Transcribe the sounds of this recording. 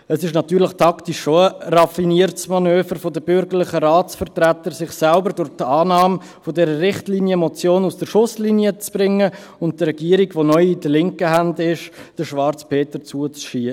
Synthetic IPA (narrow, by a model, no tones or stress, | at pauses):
əsɪʃnɑt̪yːɾlɪχtʰɑktiʃːoərɑfiniəɾtsmɑnøːfəɾfodəbʏɾɡəɾlɪχəɾaːt͡sfəɾtɾæt̪əɾsɪχsælbəɾdʊɾtɑːnɑːm | fodɛɾəɾɪχtlinjəmot͡sjoːnusd̥əɾʃʊslinjət͡sb̥ɾɪŋːə | ʊnt̚dəɾɛɡiːəɾiɡʋonœʏidəlɪŋkəɦandɪʃd̥əʃʋɑɾt͡spʰeːtəɾt͡suət͡sʃi